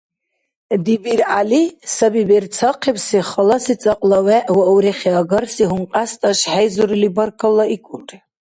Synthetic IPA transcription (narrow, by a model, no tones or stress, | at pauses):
d̪ibiɾalisabibɛrt͡sʰaqʰibsiχalasit͡sʼaqʼlawɛʔwauɾiχiaɡarsiɦuɴqʼast̪ʼaʃħajzuɾilibarkʰalːaikʷʼuʈ͡ʂʼ